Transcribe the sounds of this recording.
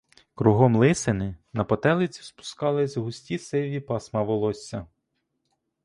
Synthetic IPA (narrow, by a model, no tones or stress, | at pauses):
kɾuɦɔmlˠɪsɪnɪnɐpɔt̪ɛlˠɪt͡sʲi̥spʊ̥skɑlˠɪzʲɦʊsʲtʲisɪʋʲipɑsmɐʋɔlˠɔsʲːɐ